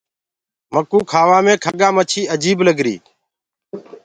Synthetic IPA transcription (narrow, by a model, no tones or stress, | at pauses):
məkuːkʰaːʋãːmẽːkʰəɠãːmət͡ʃʰiːəd͡ʒiːbləɡɾḭː